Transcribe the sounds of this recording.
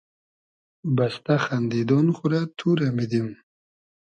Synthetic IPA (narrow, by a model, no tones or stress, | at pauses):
bast̪axand̪id̪onχuɾat̪ʰuɾamid̪im